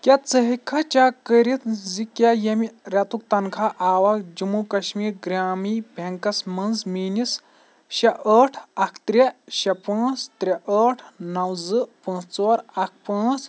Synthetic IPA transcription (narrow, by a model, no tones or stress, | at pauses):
kʲɐt͡səɦikʰːɐt͡ʃaːkəɾit̪zikʲajɐmiɾʲɐt̪uk̚t̪ɐnkʰaʔaːʋaːkd͡ʒumukɐʃmiːɾɡɾʲaːmiːbʱʲeŋkɐsmɐnzmiːnis | ʃɐʔəːʈʰɐkʰt̪ɾʲeʃɐpãːt͡st̪ɾʲeʔəːʈʰnɐwzɨpɐ̃ːst͡soːɾɐk̚ʰpãːt͡s